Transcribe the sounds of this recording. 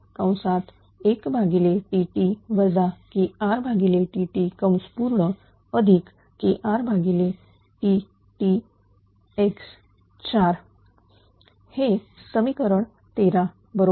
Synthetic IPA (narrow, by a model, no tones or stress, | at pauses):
kə̃w̃sat̪ | ekbʱaɡileʈiʈiʋəd͡zakiaɾbʱaɡileʈiʈikəmspuɾɳə | əd̪ʱik | kiʔaɾbʱaɡile | ʈi | ʈi | eks | t͡ɕaɾ | he | səmikəɾəɳ | t̪eɾa | bəɾo